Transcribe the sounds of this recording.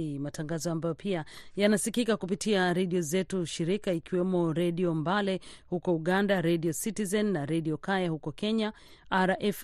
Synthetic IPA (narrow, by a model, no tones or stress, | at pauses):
imataŋɡazɔambajɔpiajanasikikakupitiaɾɛɗiɔzɛtuʃiɾikaikiwɛmɔɾɛɗiɔmbalɛhukɔuɠandaɾɛɗiɔsitizɛnːaɾɛɗiɔkajahukɔkɛɲa | aɾaʔɛf